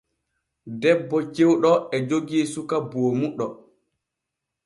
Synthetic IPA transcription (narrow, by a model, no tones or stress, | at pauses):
dɛbːɔt͡ʃewɗɔɛd͡ʒoɡiːsukaboːmuɗɔ